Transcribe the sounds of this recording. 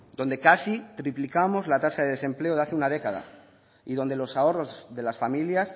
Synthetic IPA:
d̪o̞nd̪e̞kasit̪ɾiplikamo̞zlat̪asaðe̞ð̞e̞sẽ̞mple̞oðaθeunað̞ekaða̰ | iðo̞nd̪e̞lo̞sao̞ro̞zðe̞lasfamiljas

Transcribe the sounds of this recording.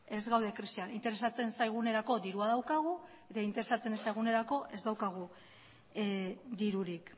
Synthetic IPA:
e̞zɣawðe̞kɾisianint̪e̞ɾe̞sat͡se̞nsajɣ̞une̞ɾako̞d̪iɾuaðawkaɣ̞u | e̞t̪aint̪eɾe̞sat͡se̞nsajɣ̞une̞ɾako̞ʔe̞zd̪awkaɣ̞u | d̪iɾuɾik

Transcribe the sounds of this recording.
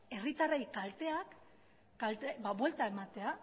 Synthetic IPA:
e̞rit̪arejkalt̪e̞akː | alt̪ebaβwe̞lt̪ae̞mat̪e̞a

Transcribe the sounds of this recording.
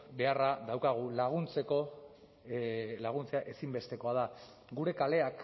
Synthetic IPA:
be̞araðawkaɣ̞ulaɣ̞unt͡se̞ko̞ | laɣ̞unt͡se̞aʔe̞simbe̞st̪e̞ko̞að̞a | ɡuɾe̞kale̞ak

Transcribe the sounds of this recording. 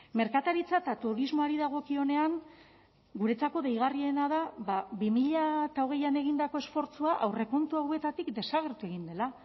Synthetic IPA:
me̞ɾkat̪aɾit͡sat̪at̪uɾizmo̞aɾiðaɣ̞o̞kio̞ne̞aŋ | ɡuɾe̞t͡sako̞ðejɣ̞arie̞naðaβaβimiʎat̪aoɣ̞e̞jane̞ɣ̞ind̪ako̞e̞sfo̞ɾt͡suaʔawre̞ko̞nt̪uawe̞t̪at̪ikd̪e̞saɣ̞e̞ɾt̪ue̞ɣ̞ind̪e̞la

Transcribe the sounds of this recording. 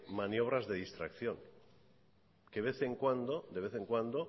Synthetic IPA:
manjo̞β̞ɾazðe̞ð̞ist̪ɾakθjo̞ŋ | keβe̞θeŋkwand̪od̪e̞β̞e̞θe̞ŋkwand̪o

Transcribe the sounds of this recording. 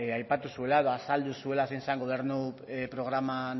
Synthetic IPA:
ajpat̪usue̞lae̞ðoasald̪usue̞lasensaŋɡo̞β̞e̞ɾnupɾo̞ɣɾaman

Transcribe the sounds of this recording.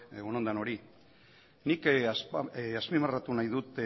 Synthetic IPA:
onond̪ano̞ɾi | nikasaspimarat̪unajðut̪

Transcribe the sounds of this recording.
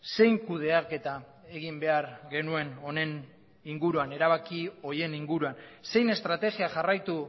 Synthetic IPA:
se̞jŋkuð̞e̞ake̞t̪a | e̞ɣimbe̞aɾɣe̞nue̞no̞ne̞n | iŋɡuɾuane̞ɾaβ̞akio̞je̞niŋɡuɾuanse̞jne̞st̪ɾat̪e̞ɣiaʝarajt̪u

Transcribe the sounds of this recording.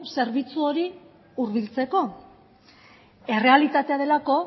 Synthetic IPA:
se̞ɾβit͡suoɾi | uɾβilt͡se̞ko̞ | e̞re̞alit̪at̪eað̞e̞lako̞

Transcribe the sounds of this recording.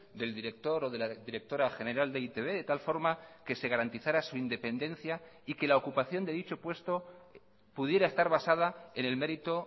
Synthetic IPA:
d̪e̞ld̪iɾe̞k̚t̪o̞ɾo̞ðelaðiɾe̞k̚t̪o̞ɾaxe̞neɾald̪eit̪e̞βe̞ðe̞t̪alfo̞ɾmake̞se̞ɣaɾant̪iθaɾasuind̪e̞pe̞nd̪ẽ̞nθja | ike̞lao̞kupaθjo̞nd̪e̞ðit͡ʃo̞pwe̞st̪o̞ | puðje̞ɾae̞st̪aɾβasað̞ae̞ne̞lme̞ɾit̪o̞

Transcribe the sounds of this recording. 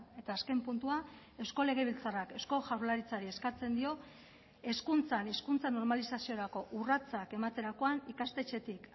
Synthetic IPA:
e̞t̪aːske̞mpunt̪ua | e̞sko̞le̞ɣ̞e̞β̞ilt͡sarake̞sko̞ʝawɾlaɾit͡saɾie̞skat͡se̞nd̪io̞ | e̞skunt͡sane̞skunt͡sano̞ɾmalisasio̞ɾako̞ʔurat͡sake̞mat̪e̞ɾako̞anikast̪e̞t͡ʃe̞t̪ik

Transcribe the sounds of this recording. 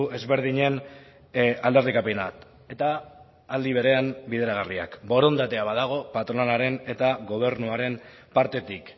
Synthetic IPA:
e̞zβe̞ɾð̞iɲe̞n | ald̪e̞rikapenat̪ | e̞t̪aː | ld̪iβ̞e̞ɾe̞ambiðe̞ɾaɣ̞aria̰kbo̞ɾo̞nd̪at̪e̞aβaðaɣ̞o̞pat̪ɾoanaɾe̞ne̞t̪aɡo̞β̞e̞ɾnuaɾe̞m | paɾt̪e̞t̪ik

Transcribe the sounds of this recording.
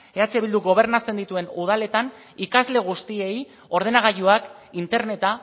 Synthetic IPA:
eat͡seβild̪uɣo̞β̞e̞ɾnat͡se̞nd̪it̪ue̞nuð̞ale̞t̪an | ikazle̞ɣ̞ust̪ie̞j | o̞ɾð̞e̞naɣ̞aʎuak | int̪e̞ɾne̞t̪a

